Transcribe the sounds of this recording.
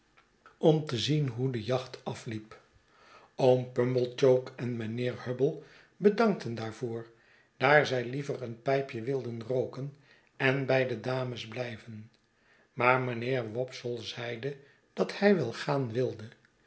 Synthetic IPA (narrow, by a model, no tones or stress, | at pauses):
ɔmtəzinɦudəjɑχtɑflip | owmpɵmbəlˠt͡ʃowkɛnmənɪːɹhøbəlˠ | bədɑŋk̚təndaːɹv̥oːɹ | d̥aːɹzɛjlivəɾənpɛjpjəʋɪlˠdənrowkən | ɛnbɛjdədaːməzblɛjvən | maːɹmənɪːɹʋɔpsəlˠzɛjdə | d̥ɑthɛjʋɛlˠχaːnʋɪlˠdə